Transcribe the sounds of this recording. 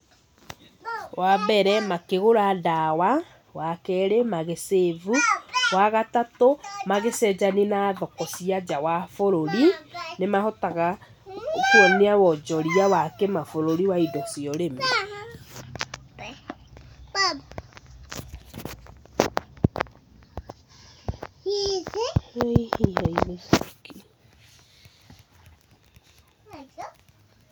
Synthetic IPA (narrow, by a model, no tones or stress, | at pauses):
wabɛɾɛmakeɣoɾadawa | wakɛɾemaɣesevuwaɣatatomaɣesɛd͡ʒaninaðɔkɔsiad͡ʑawafoɾoɾinemahɔtaɣa | keɔneawɔd͡ʒɔɾiawakɛmafoɾoɾiwaidɔsiɔɾema | izeihihaimeski